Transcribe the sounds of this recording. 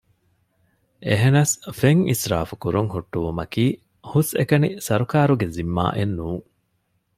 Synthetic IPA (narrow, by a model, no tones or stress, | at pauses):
ʔeɦenɐsfeŋḭsɾa̰ːfukuɾuŋhuʈːuʋumɐkiː | husḛkɐnisɐɾukaːɾuɡezimːa̰ːʔenːuːŋ